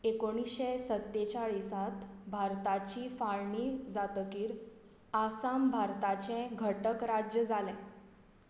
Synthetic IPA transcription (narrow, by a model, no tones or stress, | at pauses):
ekoɽ̃isɕesət̪ːet͡ɕaɭisat̪bʱaɾt̪at͡ɕiːfaɭɳiːd͡zat̪əkiːɾ | asambʱaɾt̪at͡ɕɛ̃ɡʱəʈəkɾad͡ʑjəd͡zalɛ̃